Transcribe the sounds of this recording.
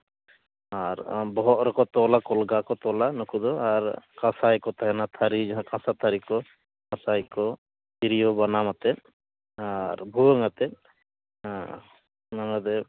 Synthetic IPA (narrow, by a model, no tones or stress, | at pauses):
aɾbɔɦɔtɾɔkɔt̪ɔlakɔlɡakɔt̪ɔlanɔkud̪ɔaɾkãsajkɔt̪aɦɛnat̪ʰaɾid͡ʒaɦãkãsat̪ʰaɾikɔ | kãsajkɔ | tiɾijɔbanamat̪ɛ | aɾbʱuɔŋat̪ɛ | namad̪ɛ